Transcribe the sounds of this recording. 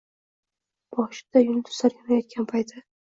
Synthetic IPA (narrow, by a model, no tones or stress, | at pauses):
b̥ɒʃɪ̥d̪̥ajʊnt̪ʰʊ̥saɾjanajɒt̪̚kʲʰanpʰajt̪ʰɪ